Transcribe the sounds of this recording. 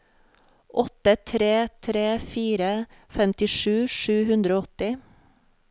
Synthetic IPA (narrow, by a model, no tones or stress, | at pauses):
ʔɔt̪ət̪ʰɾeːt̪ʰɾeːfiːɾəfɛmt̪ɪʂʉːʃʉːhʉnd̪ɾoːɔt̪ɪ